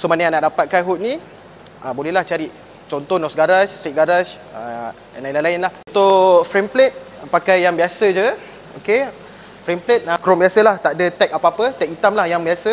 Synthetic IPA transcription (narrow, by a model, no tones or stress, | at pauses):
somanajanaʔdapat̪̚kanɦut̪̚nĩ | ʔəbolɛɦlaht͡ʃaɾiʔ | t͡ʃɔnt̪ɔnɔsɡaɾast̪ɾit̪̚ɡaɾas | ə | ɛ̰nailalaɪnlah | t̪ofɾemplet̪̚pakajjaŋbiasəd͡ʒə | oke | fɾɛmplet̪̚akɾɔmbiasəlaht̪aʔdət̪ɛk̚apaapət̪ɛk̚it̪amlahjaŋbiasə